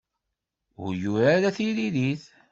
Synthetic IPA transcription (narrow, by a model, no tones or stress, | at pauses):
ʊ̰ɾjuɾaɾæθiliðiθ